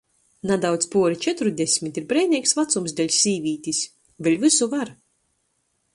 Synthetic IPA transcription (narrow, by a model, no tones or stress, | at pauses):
nad̪awt̪spuɔɾit͡ʃɛt̪ɾud̪ʲesʲmʲit̪iɾbɾɛjnʲiɛːksvat̪sumzd̪ɛlʲsʲːiːvʲiːt̪ʲisʲ | velʲvɨsuvaɾ